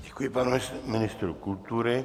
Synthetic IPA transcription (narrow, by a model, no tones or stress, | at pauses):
d̪ikuipalsminist̪ɾukult̪uɾe